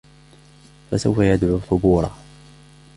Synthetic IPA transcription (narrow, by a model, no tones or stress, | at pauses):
fasawfajad̪ʕuθˤʊbuːɾˤɑ̰